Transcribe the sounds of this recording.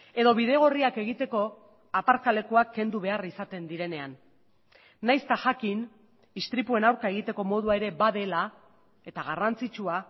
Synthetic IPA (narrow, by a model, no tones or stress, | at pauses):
e̞ðo̞βiðe̞ɣ̞o̞riake̞ɣ̞it̪e̞ko̞ | apaɾkale̞kuakʰːe̞nd̪uβe̞arisat̪e̞nd̪iɾe̞ne̞anː | ajst̪aʝakin | ist̪ɾipue̞nawɾkae̞ɣ̞it̪e̞ko̞mo̞ð̞uaeɾe̞baðe̞la | e̞t̪aɣ̞arant͡sit͡ʃua